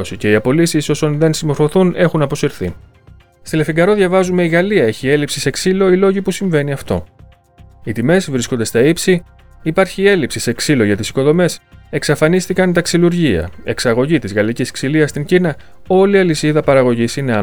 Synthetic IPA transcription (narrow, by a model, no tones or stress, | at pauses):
sice̞iɐpo̞lisiso̞sonðe̞nsimo̞ɾfo̞θune̞xunɐpo̞siɾθḭ | st̪ile̞fiŋɡɐɾo̞ðʝɐvɐzume̞iɣɐliɐe̞çie̞lipsise̞ksilo̞ilo̞ʝipusiɱve̞niɐft̪o̞̰ | it̪ime̞zvɾisko̞nd̪e̞st̪ɐipsi | ipɐɾçie̞lipsise̞ksilo̞ʝɐt̪isi̥ko̞ðo̞me̞se̞ksɐfɐnist̪ikɐnt̪ɐksiluɾʝiɐ̰e̞̰ksɐɣo̞ʝit̪izɣɐlicisksiliɐst̪iɲɟinɐ | o̞liɐlisiðɐpɐɾɐɣo̞ʝisineɐ